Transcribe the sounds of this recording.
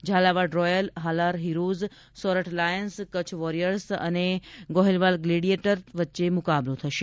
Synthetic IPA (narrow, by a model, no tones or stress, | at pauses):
d͡ʒʱalaʋaɖɾɔjəlɦalaɾɦiɾoz | sɔɾəʈlajənskət͡ɕʰʋɔɾijəɾsə̰neɡɔɦilʋalɡleɽieʈəɾʋətːʃemʊkablõt̪ʰəʃe